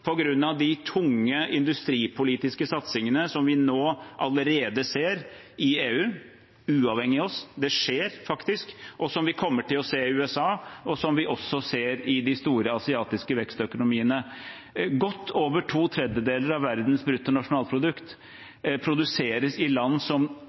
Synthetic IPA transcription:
pʰɔɡɾʉnːɑʋd̪ɪt̪ʰʊŋːəʔɪnd̪ʉst̪ɾiːpʰʊliːt̪ɪskəsɑt̪sɪŋənəsɔmʋɪnoːʔɑləɾeːd̪əseːɾ | ɪeːʉː | ʉːɑʋhɛŋːɪɔsd̪ɛʂeːɾfɑkt̪ɪskʔɔsɔmʋɪkʰɔmːəʈɪlɔseːɪʉːɛsɑːɔsɔmʋɪʔɔsːɔseːɾɪd̪ɪst̪uːɾəɑsɪɑːt̪ɪskəʋɛkst̪œkʊnʊmiːənə | ɡɔt̪ʰːoːʋəʈʰuːt̪ʰɾɛd̪jəd̪eːləɾɑʋːæɾd̪nsbɾʉt̪ːənɑʂʊnɑːlpʰɾʊd̪ʉkt̪ | pʰɾʊd̪ʉseːɾəsɪlɑnːsɔm

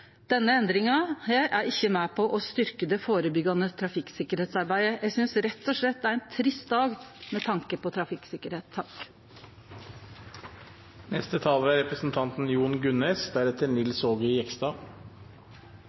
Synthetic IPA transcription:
d̪̥ɛnːəɛnd̪ɾɪŋɑhæːɾʔæɾɪçːəmæːpʰɔʔɔst̪ʏɾkəd̪ɛfoːɾəbʏɡɑnət̪ʰɾɑfɪksɪkəɾheːt̪sɑɾbæɪəjæɡsʏnsɾɛt̪ːɔʂɭɛt̪̚ːæɾɛnt̪ʰɾɪst̪̚d̪ɑːɡmɛt̪ʰɑŋkəpɔt̪ʰɾɑfɪksɪkəɾheːt̪ʰːɑk | nɛst̪ət̪ʰɑːlʋæɾɛpɾəsn̩t̪ʰɑnt̪n̩juːɳɡʉneːsd̪æɾɛt̪əɾnɪlsoːɡʏɪɛksd̪ɑː

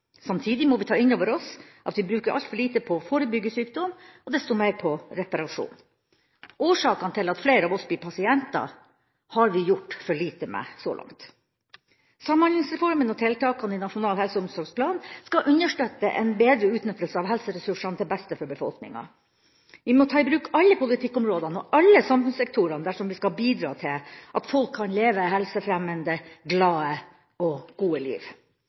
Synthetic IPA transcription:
sɑmt̪ʰiːd̪ɪmɔʋɪt̪ʰɑːɪnoːʋəɾɔsʔɑ̰t̪ʋɪbɾʉːkəɾʔɑ̰lt̪fɔɭiːt̪əpʰɔfoːɾəbʏɡːəsyːkd̪ɔmɔd̪ɛst̪ʊmæɪɾpʰɔɾɛpɑɾɑʂṵːn | ʔoːʂɑːkɑnt̪ʰɪlɑt̪fleːɾɑʋɔsbɪpʰɑsɪɛnt̪ɑ̰ | hɑɾʋɪjʊʈːfɔɭiːt̪əmɛ̰sɔ̰lɑ̰ŋt̪ | sɑmːɑnlɪŋsɾɛfɔɾmənɔt̪ʰɪlt̪ʰɑːkɑnɪnɑʂʊnɑːlhɛlsəʊmsɔɾɡspʰlɑːnskɑʔʉnəʂʈøːt̪ːə̰ʔɛ̰nbeːd̪ɾəʉːt̪nʏt̪ːəlsəɑːʋɦɛlsəɾɛsʉʂɑnt̪ɪlbɛst̪əfɔɾbəfɔ̰lknɪ̰ŋɑ̰ | ʋɪmɔt̪ʰɑːɪbɾʉːkɑlːəpʰʊlɪt̪ʰɪkːʊmɾoːd̪ɑnɔʔɑlːəsɑmfʉnsɛk̚t̪ʰuɾɑnd̪æʂɔmʋɪskɑbiːd̪ɾɑ̰ːt̪ʰɪlʔɑt̪fɔlkʰːɑnleːʋəɦɛlsəfɾɛmənd̪əɡlɑːə | ɔɡ̥uːəlḭːʋ

